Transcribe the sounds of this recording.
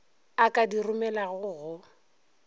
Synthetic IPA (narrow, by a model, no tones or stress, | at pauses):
akʼadirʊmɛlaɣʊːɣʊ